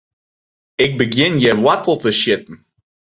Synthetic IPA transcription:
ɪk̚bəɡɪ̃njəwatl̩ˠtəʃɪt̚n̩

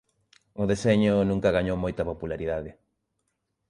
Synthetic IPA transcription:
ʊðeseɲʊnũŋkɐɣaɲowmojt̪ɐpopulaɾiðaðɪ

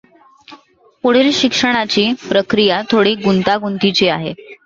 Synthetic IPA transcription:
poɽ̤elɕikʂəɽ̃at͡ɕiːpɾəkɾijat̪ʰoɽiːɡunt̪aɡunt̪it͡ɕiaɦḛ

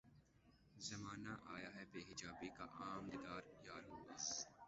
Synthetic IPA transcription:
zɐmaːnaʔaːjaɦɛbeːɦɪd͡ʒaːbika̰ʔaːmd̪ɪd̪aːɾjaːɾɐːa̰s

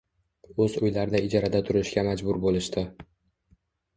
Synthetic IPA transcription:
ɵzʊjlaɾɪnɪɪd͡ʒɒɾad̪at̪ʰʊɾɪʃɡʲamad͡ʒbʊɾbolɪʃt̪ɪ

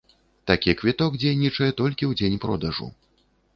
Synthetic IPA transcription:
t̪akʲikvʲit̪ɔɡd͡zʲejnʲit͡ʂɐjɛt̪ɔlʲkʲiwd͡zʲenʲpɾɔ̰d̪ɐʐṵ

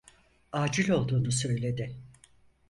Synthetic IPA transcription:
aːd͡ʒilʲo̞lˠd̪uːnus̬ø̞jlʲe̞d̪ɪ

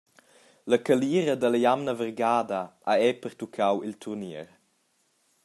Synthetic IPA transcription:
ləkəliːɾəd̪əlɐjamnəvərɡaːdaʔaɛpəɾt̪ukʰawilt̪ʰurniəɾ

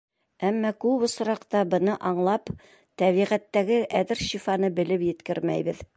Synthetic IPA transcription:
æmːɑkʉβŏs̆ɾɑqt̪ɑbɤ̆nɤʔɑɴlˠɑp | t̪æβiʁæt̪ːæɡɘʔæðɘɾʃifɑnɤbɘ̆lɘpjɘ̆t̪kɘɾmæ̰jβɘð

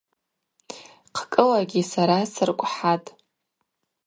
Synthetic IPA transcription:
qʰkʼɨlaɡʲisaɾasɨrkʷʼħatʼ

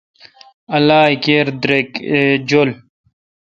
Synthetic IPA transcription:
ɐlaːikeɾd̪ɾekd͡ʑol

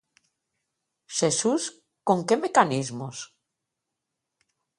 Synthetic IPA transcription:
ʃesus | koŋke̞mekanizmos

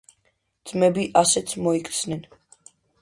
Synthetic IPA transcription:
d̪z̥mɛbiʔasɛt̪sʰmɔikʰʼt̪snɛn

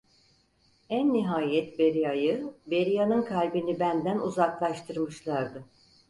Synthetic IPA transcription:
ænːiɦaːjɛt̪be̞ɾijajɯbe̞ɾijanɯnkʰalʲbinibænd̪ænuzaklˠaʃt̪ʰɯɾmɯʃlˠaɾd̪ɯ

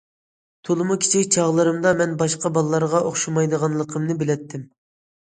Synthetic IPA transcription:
t̪ʰolˠɨmukʲʰi̥t͡ʃʰikʲt͡ʃʰɑʁlˠɨɾɨmd̪ɑmɛnbɑʃqɑbɑlˠlˠɑɾʁɑʔoχʃumɑjd̪əʁɑnlˠəqʰəmnɨbɪlɛt̪ːɪm

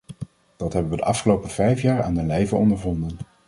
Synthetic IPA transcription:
d̥ɑtɦɛbəʋədəʔɑfχəlowpəvɛjfjaːɹa̰ːnənlejvəɔndəɹvɔndən

